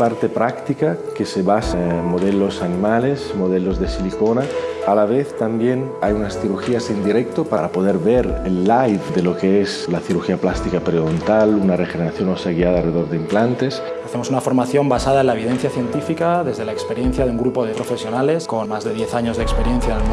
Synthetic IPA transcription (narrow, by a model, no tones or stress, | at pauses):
paɾt̪e̞pɾakt̪ikakeseβasamo̞ð̞elo̞sanĩmalesmoð̞elo̞zðe̞siliko̞naalaβeθt̪ambje̞najunasθiɾuxiasend̪iɾek̚t̪opaɾapoðeɾβeɾelːajfd̪e̞lo̞keeslaθiɾuxiaplast̪ikapɾeent̪alunarexeneɾaθjo̞noseaɣiaðaːlre̞ðo̞ɾðeimplant̪e̞s | aθemosunafo̞ɾmaθjo̞mbasaðaenlaeβ̞iðenθjaθje̞nt̪ifikaðe̞zðe̞laekspe̞ɾjen̟θjaðeuŋɡɾupoðepɾofe̞sjo̞nale̞skonmazðe̞ðjeθaɲozðekspeɾjenθjam